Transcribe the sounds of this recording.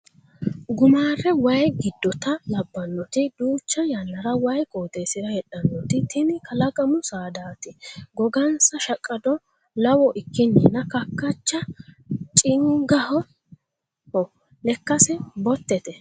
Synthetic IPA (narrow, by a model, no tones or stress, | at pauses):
ɡʊmaːrːɛwɐjɡɪd̪ːɔt̪ɐlɐbːɐnːɔt̪ɪd̪uːt͡ʃːɐjɐnːɐɾɐwɐjkʼoːt̪ejsɪɾɐhɛᶑɐnːɔt̪ɪt̪ɪnɪkʰɐlɐɡʼɐmʊsaːd̪aːt̪ɪɡɔɡɐnsɐʃɐkʼːɐd̪ɔ | lɐwɔʔɪkːɪnːɪnɐkɐkːɐt͡ʃːɐ | t͡ʃʼɪŋɡɐhɔ | hɔ | lɛkːɐsɛbɔt̪ːɛt̪ɛ